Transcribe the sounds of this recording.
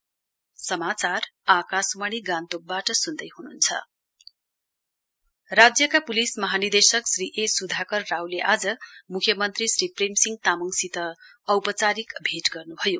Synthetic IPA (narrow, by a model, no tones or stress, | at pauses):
sʌmat͡sarakasmaɽ̃iɡant̪ok̚baʈʌsund̪ʌjɦununt͡sʰʌ̰ | rad͡zjʌkapulismʌɦanid̪esʌksriʔesud̪ʱakʌrːawleʔad͡zʌmukʰjʌmʌnt̪risɾipremsiŋɡ̚t̪amʌŋsit̪ʌ | ʌwpʌt͡saɾikbʱeʈɡʌrnubʱʌjo